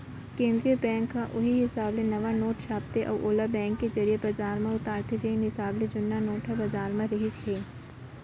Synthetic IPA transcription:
kẽːnd̪ɾiəbɛ̃ːŋkːaʔʊɦiɦɪsaːblenɐʋanoːʈʃaːp̚t̪eʔɔ̰ːʔoːlabɛ̃ːŋkːezɐɾijebɐd͡ʒaːɾmãʊt̪aːɾt̪ed͡ʒeinɦɪsaːbled͡ʒʊnːanoːʈʰɦabɐzaːɾmãɾɪɦɪʃt̪ʰeː

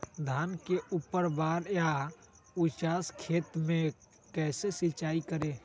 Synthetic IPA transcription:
d̪ʱaːnkeupːəɾbaɾja | ut͡ʃaskʰeːt̪mẽ | kɛːsesit͡ʃaːikəɾe

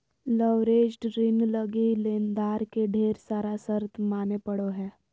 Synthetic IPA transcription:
ləʋɾeːd͡ʒʈɾɪnləɡileːnd̪aːɾkeɖʱeːɾsaːɾasəɾt̪ʰmaːnepəɽoɦɛː

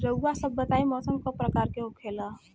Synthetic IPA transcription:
ɾəuːasəbːət̪aːimɔːsəmkapɾəkaːɾkeɦokʰeːla

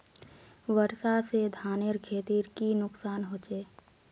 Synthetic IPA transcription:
ʋəɾsased̪ʱaːneɾkʰeːt̪iːɾkinʊksaːnɦoːt͡ʃeː

